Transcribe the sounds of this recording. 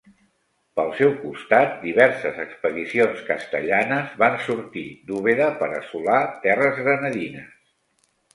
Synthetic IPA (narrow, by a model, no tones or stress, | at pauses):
pəlˠsɛwkust̪at̪̚d̪iβ̞ɛɾsəzəkspəðisionskəst̪əʎanəzβansuɾt̪id̪uβ̞eðəpəɾə̰sulat̪ɛrəzɣɾənəðinəs